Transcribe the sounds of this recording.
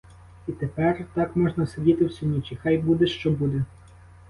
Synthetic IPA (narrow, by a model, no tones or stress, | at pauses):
it̪epɛrt̪ɑkmɔʒnɐsedʲit̪ɪwsʲʊnʲit͡ʃʲixɑjbud̪eʃt͡ʃɔbud̪e